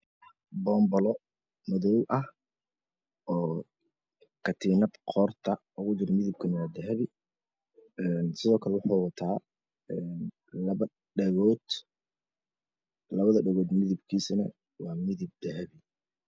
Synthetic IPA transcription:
bɔːmbɔlɔ | mɐðɔwʔɐh | ʔɔː | kʰɐt̪ʰiːnɐbqʰɔːrt̪ʰɐ | ʊɣʊd͡ʒɪɾmɪðɪb̚kʰɐnɐwɑːd̪ɐɦɐβɪ | ɛnsɪðɔːkʰɐlɛwʊħɑːwɑt̪ʰaː | ɛn | lɐɐ | ɖɛɣɔːd̪ | lɐβɐðɐɖɛɣɔːd̪mɪðɪbkʰiːsɐnɐ | wɑːmɪðɪb̚d̪̥ɐɦɐβɪ

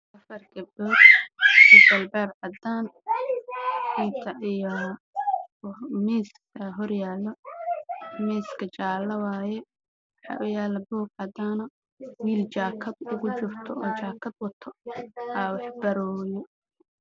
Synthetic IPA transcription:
ʔɐfɐrɡɐbɔd̪sɪbɐlbɛːrʕɐd̪aːn | ħɪt̪ʰɐʔijɔ | mɛːskɐɦɔrjaːlɔ | mɛːskʰɐt͡ʃaːlɐwaːjɛ | wɑħɑ̰ːʔʊjaːlɐbɔːɡʕɑd̪aːnɐ | wiːlt͡ʃaːkʰɐd̪ʊɣʊt͡ʃʊrt̪ʰɔɔːt͡ʃaːkʰɐd̪wɐt̪ʰɔaːwɑħbɐɾɔːjɔ

